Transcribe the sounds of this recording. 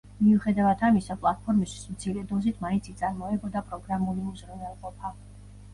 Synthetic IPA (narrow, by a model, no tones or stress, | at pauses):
miuχɛd̪avad̪ʰamisapʼlˠat̪̚pʰɔɾmist̪ʰwi̥smt̪sʰiɾɛd̪ɔzit̪ʰmaint̪sʰit̪sʼaɾmɔɛbɔd̪apʼɾɔɡɾamulimuzɾɛnɛlˠqʼɔpʰa